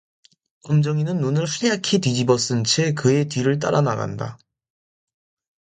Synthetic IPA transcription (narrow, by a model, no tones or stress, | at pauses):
k͈ʌmd͡ʑʌŋinɯnːunɯɭɸʰuejakʰetid͡ʑibʌs͈ɯnt͡ɕʰe̞kɯe̞tɥiɾɯɭt̬͈a̰ɾana̰ɡa̰nda̰